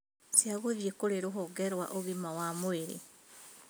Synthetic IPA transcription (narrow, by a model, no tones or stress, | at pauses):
sjaɣoðjekoɾeɾoɦɔɡɛɾwa̰ʔoɣimawamoeɾḛ